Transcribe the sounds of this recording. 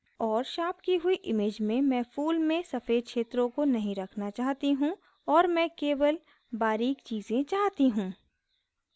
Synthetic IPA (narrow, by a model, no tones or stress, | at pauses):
ɔːɾʃaːpkiɦʊiʔɪmeːd͡ʒmẽmɛ̃ːfuːlmẽsɐfeːd̪̚kʃeːt̪ɾõkonɐɦĩɾɐkʰnat͡ʃaːɦt̪iɦũ | ɔːɾmɛ̃keːʋəl | baːɾiːkt͡ʃiːzẽt͡ʃaːɦt̪iɦũː